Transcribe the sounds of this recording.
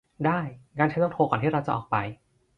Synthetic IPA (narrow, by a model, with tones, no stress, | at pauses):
daː˥˩jkaː˧nt͡ɕʰa˦˥jlːŋt̪ʰoː˧kɔː˨˩t̪ʰiː˥˩ɾa˧wt͡ɕa˨˩ʔɔː˨˩k̚pa˧j